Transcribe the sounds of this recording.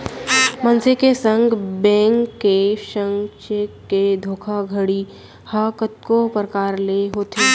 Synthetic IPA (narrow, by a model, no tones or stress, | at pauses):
mɐnsekesə̃ŋɡbɛ̃ːŋkːeʃə̃ŋɡʃeked̪ʱoːkʰaɡʱəɽi | hakət̪̚kopɾəkaːɾleɦoːt̪eː